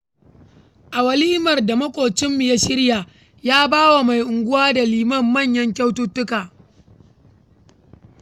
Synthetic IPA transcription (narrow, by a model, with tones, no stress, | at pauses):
ʔa˨wɐ˨liː˦mɐ˨rda˨mɐ˦kʷʼoː˨t͡ʃɪ˦mːɪ˨ja˦ʃɪ˦ɾja˨ | jaː˦baː˦wa˨ma˨jʔʊ˨ŋɡʷʊ˦waː˦da˨liː˨mɐ˦˨mːɐ˦˨ɲjɐ˦ŋk̬ʲa˦wtʊ˦tːʊ˦kaː˨